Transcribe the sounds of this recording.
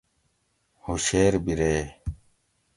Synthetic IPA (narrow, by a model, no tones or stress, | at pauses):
hoɕeːɾbiɾeː